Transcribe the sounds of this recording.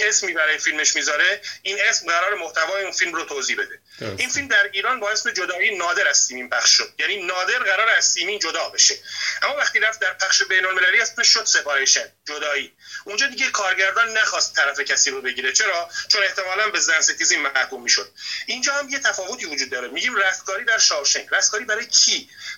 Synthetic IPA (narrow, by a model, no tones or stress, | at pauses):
esmiːbæɾɒːjefilme̞ʃmiːzɒɾe̞inʔe̞smɢæɾɒːɾemoht̪ævɒːjeuːnfilmrot̪ʰoːziːhbe̞d̪e̞ | ʔinfilmd̪æɾiːɾɒːnbɒːe̞smed͡ʒod̪ɒːiːnɒːd̪e̞ɾæz̥siːmiːnpʰæχʃʃod̪̥̚jæniːnɒːd̪e̞ɾɣæɾɒːɾeæz̥siːmiːnd͡ʒod̪ɒːbe̞ʃeʔæmːɒːvæχt̪iːɾæft̪̚d̪æɾpʰæχʃe̞be̞jnolme̞læliːæspeʃʃod̪se̞fɒːɾeʃænd͡ʒod̪ɒːiː | ʔund͡ʒɒːd̪iɟekʰɒːɾɟæɾd̪ɒnːæxɒːst̪ʰːæɾæfe̞cʰæsiːɾobe̞ɟiːɾet͡ʃʰe̞ɾɒːt͡ʃʰone̞ht̪emɒːlænbe̞zænset̪iziːmmæhkumːiːʃod̪̚ʔind͡ʒɒːhæmjet̪ʰæfɒːvo̞t̪ʰiːvod͡ʒuːd̪̚ːɒːɾemiɟiːmræft̪kʰɒːɾiːd̪æɾʃɒːvʃeŋɾæst̪kʰɒːɾibæɾɒːjecʰiː